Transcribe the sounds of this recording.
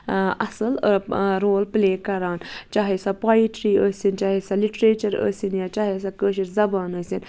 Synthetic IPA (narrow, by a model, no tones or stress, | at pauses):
ɐsəlɾoːlpleːkɐɾaːnt͡ʃaːɦesapaːiʈɾiːəːsint͡ʃaːɦesaliʈɾeːt͡ʃɐɾə̰ːsinjat͡ʃaːɦes̬akəːʃ̬iɾzɐbaːnəːsin